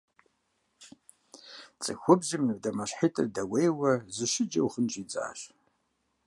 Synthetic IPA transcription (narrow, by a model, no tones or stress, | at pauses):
t͡sʼɨxʷʊbzimnɨbdɐmɐɕħitʼɨrdɐwejwɐzɨʃɪd͡ʒɐwχənt͡ʃʼid͡zʼa̰ːɕ